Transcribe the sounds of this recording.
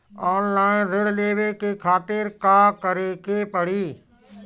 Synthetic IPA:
ɔːnlaːɪnzɪɽleːʋekekʰaːt̪ɪɾkaːkəɾekeːpəɽiː

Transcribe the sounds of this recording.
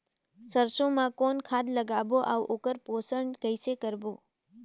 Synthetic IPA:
səɾʃõmãkonkʰad̪ləɡaboʔaʋʔokəɾposəɳɡəjsekəɾbo

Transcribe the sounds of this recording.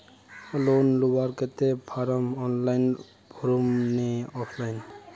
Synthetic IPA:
lonlubaɾket̪epʰaɾamɔnlajn | b̥ʱuɾumneɔpʰlajn

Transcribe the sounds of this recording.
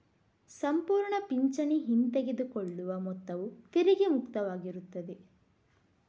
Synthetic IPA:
sɐmpuːɾɳɐpiɲt͡ʃɐniɦint̪eɡed̪ukoɭːuʋɐmɔt̪ːɐʋut̪iɾiɡemukt̪ɐʋaːɡiɾut̪ːɐd̪e

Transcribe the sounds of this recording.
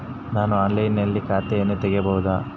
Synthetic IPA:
naːnuaːnlɐjinɐlːikaːt̪ɛjɐnːet̪ɛɡejɐbɐɦud̪a

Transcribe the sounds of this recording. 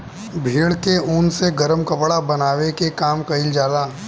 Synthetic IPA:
bʱiːɽkeunseɡɐɾəmkɐpɽabɐnaːʋekekaːmkɐɦɪld͡ʒaːlaː

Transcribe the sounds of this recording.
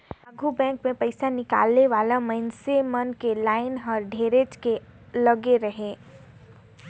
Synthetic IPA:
ɐɡʱubɛ̃ːŋkmẽpɐɪsanɪka̰ːlneʋaːlamɐnsemɐnkelaːɪnɦɔɾɖʱeːɾed͡ʒkelɐɡeɾɐɦẽː

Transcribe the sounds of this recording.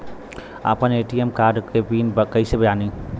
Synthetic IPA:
a̰pəneʈiemkaɾɖkebinbkəjsebɐjani

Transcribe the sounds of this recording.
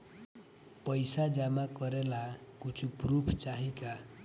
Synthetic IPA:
pʌjsad͡zamakʌɾelakut͡sʰuprupʰt͡saɦĩka

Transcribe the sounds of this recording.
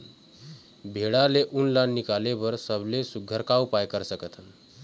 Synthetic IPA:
bʱeɽaleʔunlanːikaleʋəɾsəblesuɡʱːəɾkawpajkəɾsəkət̪ʰən

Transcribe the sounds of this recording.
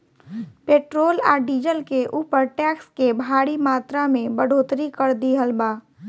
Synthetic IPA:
peːʈɾoːla̰ːɖiːd͡ʒəlkeʔuːpəɾʈɛkskebʱaɽimaːt̪ɾamẽbəɽ̤ʱot̪ɾikəɾd̪iɦəlbaː

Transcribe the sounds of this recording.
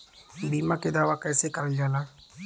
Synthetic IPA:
biːmãked̪aːʋakɛːsekəɾəld͡ʒaːnaː

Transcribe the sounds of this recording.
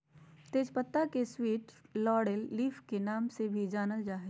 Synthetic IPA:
t̪eːd͡ʒpət̪ːakeswiːʈlɔːɽelːiːfkenaːmsebʱid͡ʒaːnəld͡ʒaːɦi

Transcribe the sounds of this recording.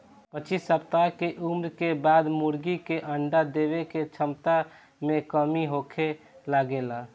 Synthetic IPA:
pət͡ʃisəpt̪akeʔumɾkebaːd̪muɾɡikeʔəɳɖad̪ebeket͡ʃʰəmt̪a | mẽkəmiɦokʰe | laɡela

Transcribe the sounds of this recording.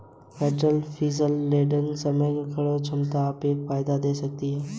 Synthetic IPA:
fɛːʈɾəlfʰiːzəlːeːɖənsɐməjkkʰɐɽot͡ʃʰɐmt̪aːpeːkfaːɪd̪ad̪eːsɐk̚t̪iɦɛː

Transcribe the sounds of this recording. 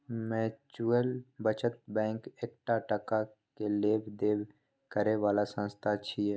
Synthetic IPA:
mɛ̃ːt͡ʃuəlbət͡ʃət̪̚bɛ̃ːŋkeːkʈaʈəka | keleːbd̪eːb | kəɾeʋaːlasə̃nst̪ʰat͡ʃʰiɛ

